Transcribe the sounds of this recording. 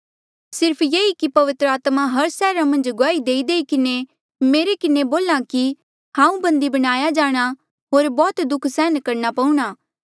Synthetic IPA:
sɪɾpʰjeːikipɐʋɪt̪ɾəaːt̪maɦɐɾsɛːɾamɐ̃nd͡ʒɡaːid̪eːid̪eːikɪne | meːɾekɪneboːlaki | ɦãːũbɐ̃nd̪ibɐɽ̃aːjad͡ʒaːɽ̃a | ɦoːɾbɔːt̪d̪ʊkʰsɛːnkɐɾnapɐ̃ũɽ̃aː

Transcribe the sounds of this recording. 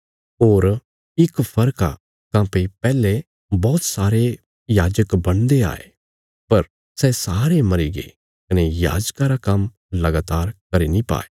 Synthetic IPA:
oːɾ | ɪkpʰɐɾka̰ | kãːpepɛːle | bɔːt̪saːɾe | jaːd͡ʒəkbɐɽ̃d̪ea̰ːḛ | pɐɾ | sɛsaːɾemɐɾiɡḛ | kɐneja̰ːd͡ʒkaɾakɐ̃m | lɐɡaːt̪aːɾkɐɾinipa̰ːe

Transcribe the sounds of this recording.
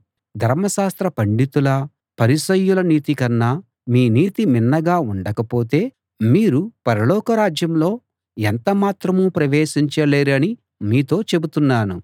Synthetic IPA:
d̪ʱɐɾmɐʃaːst̪ɾɐpɐɳɖit̪ulɐ | pɐɾisɐjːulɐniːt̪ikɐnːaː | miːniːt̪iminːɐɡaːuɳɖɐkɐpo̞ːt̪e̞ː | miːɾupɐɾɐlɔːkɐɾaːd͡ʒjɐmlo̞ː | ent̪ɐmaːt̪ɾɐmuːpɾɐʋeːʃiɲt͡ʃɐle̞ːɾɐni | miːt̪o̞ːt͡ʃe̞but̪unːaːnu

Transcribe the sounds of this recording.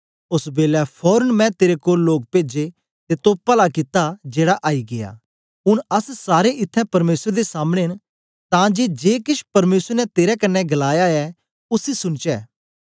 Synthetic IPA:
ʊsbeːlɛpʰɔːɾənmɛ̃t̪eːɾekoːlːoːk̚peːd͡ʒe | t̪et̪oːpɐlakɪt̪ad͡ʒeːɽaʔaːiɡɪja̰ː | ʊɽ̃ɐssaːɾeʔɪt̪ʰːɛ̃pɐɾmeːsɾd̪esaːmɽ̃eɦɪn | t̪ãd͡ʒed͡ʒeːkɪʃpɐɾmeːsəɾnɛt̪eːɾɛkɐnːɛɡɐlaːjaɛ | ʊsisʊnt͡ʃɛː

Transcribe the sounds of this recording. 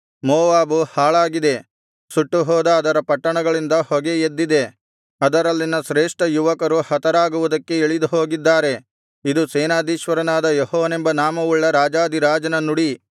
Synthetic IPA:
mɔːʋaːbuhaːɭaːɡid̪e̞ | suʈːuɦɔːd̪ɐːd̪ɐɾɐpɐʈːɐɳɐɡɐɭind̪ɐhɔɡe̞jed̪ːid̪e̞ | ɐd̪ɐɾɐlːinɐʃɾeːʂʈɐjuʋɐkɐɾuhɐt̪ɐɾaːɡuʋud̪ɐkːe̞iɭid̪uɦoːɡid̪ːaːɾe̞ | id̪useːnaːd̪iːʃʋɐɾɐnaːd̪ɐjehɔːʋne̞mbɐnaːmɐʋuɭːɐɾaːd͡ʒaːd̪iɾaːd͡ʒɐnɐnuɽi

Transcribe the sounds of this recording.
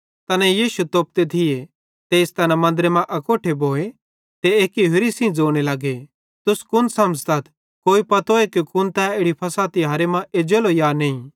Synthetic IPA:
t̪ɐnɛ̃jiːʃut̪oːp̚t̪et̪ʰɪje | t̪eːst̪ɐnɛmɐ̃nd̪ɾemãʔɐkoːʈʰeboːe | t̪eeːkiɦʊɾisĩd͡zoːɽ̃elaːɡe | t̪ʊskʊnsɐ̃mst̪ɐt̪ʰ | koːipɐt̪oekikʊnt̪ɛ̃eːɽipʰɐsat̪iɦaːɾemãʔeːd͡ʒeːlojaːneːĩ

